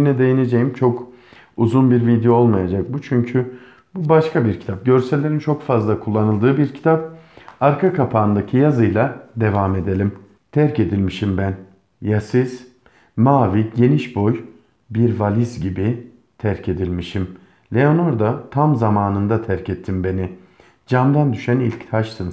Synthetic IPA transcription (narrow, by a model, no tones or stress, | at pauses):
nɛd̪e̞jine̞d͡ʒejimt͡ʃʰo̞k | uzunbiɾvid̪ejoolˠmajad͡ʒak̚but͡ʃʰyɲcʰy | bubaʃkʰabiɾcʰi̥t̪ʰap̚ɟø̞ɾselʲe̞ɾint͡ʃʰo̞kfazlˠakʰulˠːanɯlˠd̪ɯːbiɾcʰi̥t̪ʰap̚aɾkʰakʰapʰaːnd̪acʰijazɯjlˠad̪e̞vame̞d̪e̞lʲim | t̪ʰæɾce̞d̪ilʲmiʃimbæn | jasiz̥ | maːviɟe̞niʃbo̞j | biɾvalʲizɟibi | t̪ʰæɾcʰe̞d̪ilʲmiʃim | lʲe̞o̞no̞ɾd̪at̪ʰamzamaːnɯnd̪at̪ʰæɾcʰɛt̪ʰːimbe̞ni | d͡ʒamd̪and̪yʃænilʲct̪ʰaʃt̪ʰɯn